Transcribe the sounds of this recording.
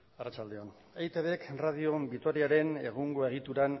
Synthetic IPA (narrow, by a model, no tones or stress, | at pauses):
arat͡ʃald̪e̞on | ejt̪eβekrað̞io̞bit̪o̞ɾiaɾe̞ne̞̰ɣ̞uŋɡo̞e̞ɣ̞it̪uɾan